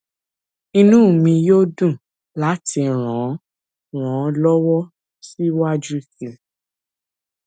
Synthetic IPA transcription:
i˧nũ˦˨mĩ˧jo˦dũ˦˨ | la˨˦tʰi˧ɾ̃ã˨˦ | ɾ̃ɔ̃˨˦lɔ˦wɔ˦ | si˦wa˦d͡ʒu˦kĩ˨˧

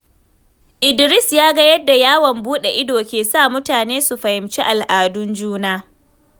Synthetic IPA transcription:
ʔɪ˨dɪ˨ɾɪ˦sjaː˦ɡɐ˦jɐ˦dːa˨jaː˦wɐ˨mbuː˦ɗe˨ʔɪ˦doː˨kʲeː˨saː˦˨mʊ˦taː˨neː˦su˨ɸɐ˨hɪ˨mt͡ʃi˦ʔa˨lʔaː˨dʊ˦nd͡ʒuː˦naː˦

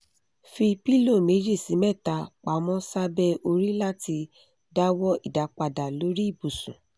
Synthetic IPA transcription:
fi˧pi˦lo˦˨me˨˦d͡ʒi˦˨si˨˦mɛ˦˨ta˧˦k͡pa˨˦mɔ̃˦sa˦bɛ˦o˧ɾi˦la˦ti˧ | da˦wɔ˦i˦˨da˨k͡pa˧da˨lo˨˦ɾi˦i˦˨bu˨sũ˨

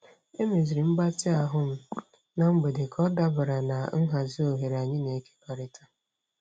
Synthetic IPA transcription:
e˦me˨zi˨ɾi˨m̩˦ɡ͡ba˦tɪ˦a˨ɦʊ˦m̩˦ | na˨ŋ͡m̩˦ɡ͡be˨de˨kʰɔ˦da˦ba˨ɾa˨na˨ŋ̩˦ɦa˨zi˦o˨ɦe˨ɾa˨ɲɪ˦ne˨˦ke̥˦ka˨ɾɪ˦tʰa˦

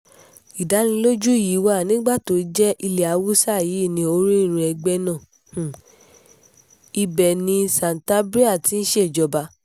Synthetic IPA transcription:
i˨da˨˦nĩ˧˦lo˦d͡ʒu˦˨jiː˨˦wa˦˨nĩ˨˦ɡ͡ba˦˨to˨˦ɾi˧˦d͡ʒɛ˦ʔi˧le˨a˨˦wu˦sa˦˨ji˨˦˨nĩ˧o˧ɾĩ˦˨ɾ̃ɛ˧ɡ͡bɛ˧nã˦˨ | hũ˨ | i˧bɛ˨nĩ˧sã˨n˨ta˦bɾi˦a˦˨ti˨˧˦n̩˦ʃe˦˨d͡ʒɔ˧˦ba˧˦

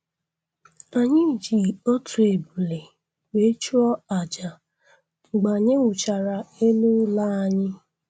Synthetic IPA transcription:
a˨ɲɪ˦˨d͡ʒi˨o˦tʰu˨e˨bu˨le˨ | we˨˦t͡ʃu˦ɔ˦a˨d͡ʒa˨ | ɡ͡ba˨ɲɪ˦wʷʊ˨t͡ʃa˨ɾa˨e˦lu˦la˦a˦ɲɪ˦

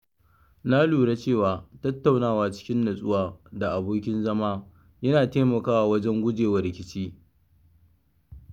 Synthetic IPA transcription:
na˦luː˨ɽa˦t͡ʃeː˦˨waː˨tɐ˦tːa˨wnaː˦˨waː˨t͡ʃɪ̥˦kʲɪ˦nːɐ˨sʼʊ˦waː˨da˨ʔa˨boː˦k̬ʲɪ˦nzɐ˦maː˦ | jɐ˦naː˨teː˦mɐ˨kaː˦waː˨wɐ˦d͡ʒɛ˦ŋɡʷʊ˦d͡ʒeː˨wɐ˨ɾɪ˨kʲɪ˦t͡ʃiː˦

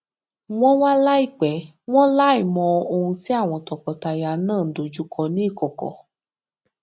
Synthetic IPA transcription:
w̃ɔ̃˦wa˦la˦i˦˨k͡pɛ˨˦ | w̃ɔ̃˦la˦i˦˨mɔ̃˧o˧hũ˧ti˦a˦˨w̃ɔ̃˧tɔ˨kɔ˨ta˧ja˨˦nãː˦˨n̩˨do˨d͡ʒu˦kʰɔ˧nĩ˦i˦˨kɔ˨kɔ̰˨˦

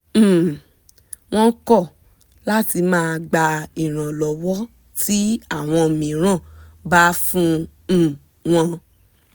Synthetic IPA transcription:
m̩˨ | w̃ɔ̃˧˦kɔ˦˨ | la˦ti˧mãː˦˧ɡ͡ba˧i˨ɾ̃ã˨lɔ˨wɔ˦ | ti˦a˦˨w̃ɔ̃˧˨mĩ˨˦ɾ̃ã˦˨ba˦fũ˦˨ | w̃ɔ̃˧

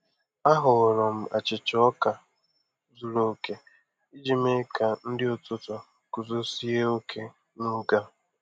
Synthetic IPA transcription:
a˦ɦʊ˨ɾɔ˨m̩˦a̰˨t͡ʃɪ˨t͡ʃɔ˦ka˨ | zu˨ɾo˨ke˦ | i˦d͡ʒi˨me˦ka˨n̩˦dɪ˦ʊ˨tʊ˦tʊ˨ | ku˨zo˦si˦e˦o˦kʰe˦ | nu˦ɡa˦

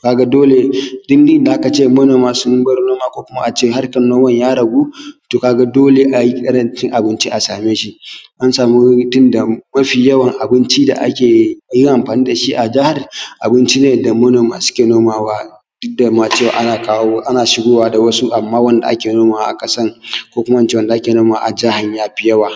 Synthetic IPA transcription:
ka˨ɡa˦doː˦le˨dʊ˦ndi˦nda˨ʔa˦ka˨t͡ʃeː˦˨mɐ˦noː˨maː˨sʊ˦nʊ˦bɐ˦ɾnoː˦maː˦kʷoː˦kʷʊ˦ma˦ʔa˨t͡ʃeː˦˨ha˦rkɐ˨nːoː˦mɐ˦ɲjaː˦ɽɐ˨ɡuː˦toː˨kaː˨ɡa˦doː˦le˨ʔa˨ji˦kʼɐ˦ɽɐ˦nt͡ʃɪ˦ŋʔa˨bɪ˦nt͡ʃi˦ʔa˨saː˨meː˦ʃi˦ʔa˦nsaː˨mu˦tʊ˦nda˨mɐ˦ɸiː˨jɐ˦wɐ˨ŋʔa˨bɪ˦nt͡ʃi˦da̰˨ʔa̰˦kʲeː˨ji˦ʔa˨mɸaː˨niː˦da˨ʃi˦ʔa˨d͡ʒa˦hɐ˨rʔa˨bɪ˦nt͡ʃi˦neː˨da˨mɐ˦noː˨ma˨sʊ̥˦kʲeː˨noː˦maː˨waː˦ | dʊ˦da˨ma˨t͡ʃeː˦˨wa̰ː˨ʔa˨kːʔa˦naː˨ʃɪ˦ɡoː˦waː˦da˨wɐ˦su˦ʔa˨mːaː˦wɐ˦nda̰˨ʔa̰˦kʲeː˨noː˦maː˨wa˦ʔa̰˨kɐ˨sɐ˦ŋkʷoː˦kʊ˦ma˦a˦nt͡ʃe˦wɐ˦nda˨ʔa˦kʲeː˨noː˦maː˨a˨ʔa˨d͡ʒa˦ha˨ɲjaː˦ɸɪ˦jɐ˦waː˨

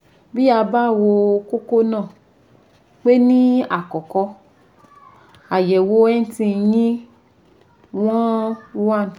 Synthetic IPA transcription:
bi˦a˧ba˦˨wo˧ko˦ko˦nãː˦˨ | k͡pe˦nĩ˦a˨kɔ˨kɔ˧ | a˨jɛ˨wo˧˦ɛ˦n̩˦tĩ˧jĩ˦ | w̃ɔ̃˦wa˦˨n˨

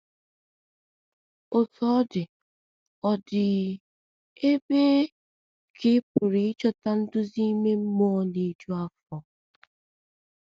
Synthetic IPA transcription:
ʊ˨tɔ˦dɪ˨ | ɔ˨dɪ˨ | e˦be˦ | kʰɪ˦pʊ˨ɾi˨ɪ˦t͡ʃɔ˦ta˦n̩˦dʊ˦zi˦me˦m̩˦mɔ˦ne˨˦d͡ʒu˦a˦fɔ˨

